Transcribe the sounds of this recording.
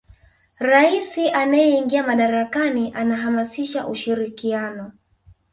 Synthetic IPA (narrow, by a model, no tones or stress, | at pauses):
ɾaisiʔanajɛiŋɡiamaɗaɾakaniʔanaɦamasiʃaʔuʃiɾikianɔ